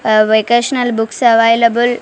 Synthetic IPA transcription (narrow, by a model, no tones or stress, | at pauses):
ʋekeʃnɐlbuksɐʋajlɐbul